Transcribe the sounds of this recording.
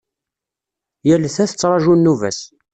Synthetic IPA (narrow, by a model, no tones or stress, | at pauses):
jæləθæθət͡sːɾˤɑʒunːuvæ̰s